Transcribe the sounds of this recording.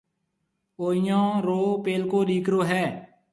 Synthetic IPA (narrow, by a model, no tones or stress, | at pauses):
oːijãːɾoːpeːlkoːɗiːkɾoːɦɛː